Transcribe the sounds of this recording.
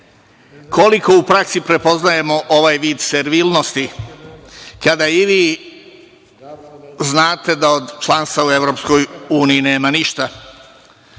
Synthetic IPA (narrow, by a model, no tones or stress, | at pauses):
kʰoliko̞upɾaksipɾe̞po̞znaje̞mo̞ʔoʋajʋiːd̪seɾʋiːlno̞st̪i | kad̪aiʋiː | znaːt̪e̞d̪aod̪t͡ʃlanst̪aue̞ʋɾopsko̞juːnijine̞ːmaniʃt̪a